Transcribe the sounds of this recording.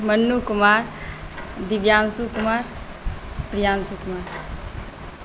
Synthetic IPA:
mɐnːukumaːɾ | d̪iʋjaːnsukumaːɾ | pɾijaːnsukumaːɾ

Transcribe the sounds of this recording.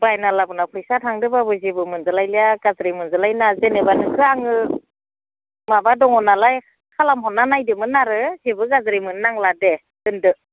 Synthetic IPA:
bajnalabɯnapʰɾisatʰaŋdɯbabɯzibɯmɯnzalajlijaɡazɾimɯnzɯlajnazenebanɯkʰɯaŋɯ | mabadɔŋɔnalaj | kʰalamɦɔnːanajdɯmɯnaɾɯzebɯɡazɾimɯnnaŋlade | dɯndɯ

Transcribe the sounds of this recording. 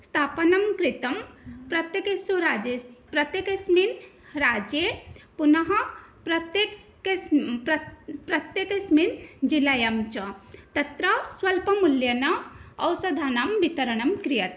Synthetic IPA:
st̪ʰaːpɐnɐmkɾit̪ɐmpɾɐt̪jekesuɾad͡ʒepɾɐt̪jekɐsmin | ɾaːd͡ʒepunɐɦɐpɾɐt̪e | pɾɐt̪jekɐsmind͡ʒilajɐmt͡ʃɐt̪ɐt̪ɾɐswɐlpɐmuljɐnɐɐwsɐd̪ʱaːnɐmbit̪ɐɾɐnɐmkɾijɐt̪

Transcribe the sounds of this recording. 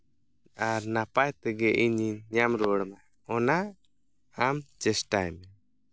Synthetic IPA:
aɾnapajt̪ɛɡɛʔiɲiɲɲamɾɔɽma | ɔnaː | mt͡ʃɛsʈajmɛ

